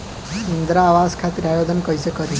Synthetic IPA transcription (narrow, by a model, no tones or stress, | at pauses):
ind̪ɾaːʋaskʰat̪ɾiajod̪ʱənkəjsekəɾi